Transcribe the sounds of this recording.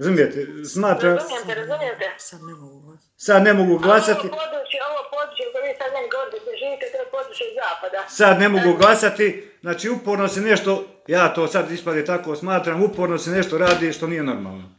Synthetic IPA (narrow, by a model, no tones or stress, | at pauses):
ɾazumijet̪esmaːt̪ɾamjeɛɾazumjet̪eɡ | sad̪ne̞moɡuɡlˠasat̪ipod̪ɾut͡ʃeoʋoːpod̪ɾut͡ʃikoʋiːsad̪meniɡoʋoɾid̪asʒiːʋiːt̪ɛt̪oopod̪ɾut͡ʃjeizaːpad̪asad̪ne̞moɡuɡlˠasat̪i | znaːt͡ʃiːupoɾnosene̞ʃt̪o̞ | jaːt̪oːsad̪ispad̪eːt̪akosmaːt̪ɾamupoːɾnosene̞ʃt̪oɾaːd̪iːʃt̪o̞niːjeno̰ɾma̰ːlˠno